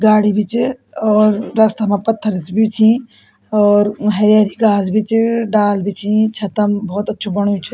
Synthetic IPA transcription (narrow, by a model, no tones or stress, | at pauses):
ɡaːɽ̤ibʱit͡ʃ | ɔːɾːɐst̪amãpɐt̪ʰːəɾsbʱit͡ʃʰĩ | ɔːɾɦɐɾaːɾiɡaːzbʱit͡ʃɖaːlbʱit͡ʃʰĩt͡ʃʰɐt̪əmbɔːt̪ɐtːʃʰobɐɽ̃ũt͡ʃʰ